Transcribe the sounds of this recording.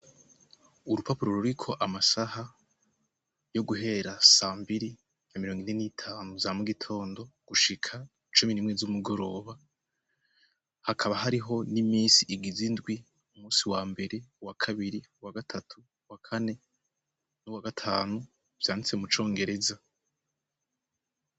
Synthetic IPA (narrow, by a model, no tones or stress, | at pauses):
uɾupapuɾo̞ɾuɾikʰo̞ʔamasaha | jo̞ɡuɦe̞ɾasaːmbiɾi | jamiɾo̞ːŋɡine̞nitʰaːnuzamuɡitʰo̞ːndo̞ɡ̥uʃikʰa | t͡ʃuminiːmŋe̞zumuɡo̞ɾo̞ːβa | hakʰaβaɦaɾiɦo̞nimiːnsiʔiɡizindɡwi | umuːsiwaːmbe̞ɾe̞wakʰaβiɾiwaɡatʰatʰu | wakʰane̞ | nuwaɡatʰaːnu | v̥jaːnit͡semut͡ʃo̞ːŋɡe̞ɾe̞za